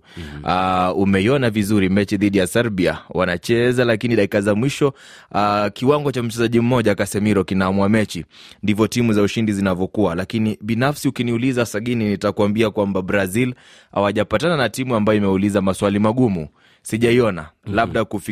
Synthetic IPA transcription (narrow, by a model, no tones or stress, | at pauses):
aumɛiɔnavizuɾimɛt͡ʃiðiɗijasɛɾɓia̰wa̰nat͡ʃɛzalakiniɗakikazamwiʃɔ | kiwaŋɡɔt͡ʃam̩t͡ʃɛzaʄim̩mɔʄakasɛmiɾɔkinaːmuamɛt͡ʃindivɔtimuzauʃindizinavɔkualakiniɓinafsiukiniulizasaɠininitakuwambiakwambabɾazil | ha̰waʄapatananatimuambajɔimɛulizamaswalimaɠumu | siʄaiɔna̰labɗakuf